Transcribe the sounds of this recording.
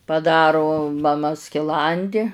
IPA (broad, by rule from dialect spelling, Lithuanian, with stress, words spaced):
pɐˈdɑːrʊ mɐˈmɐ sʲkʲɪˈlˠɐnʲdʲɪ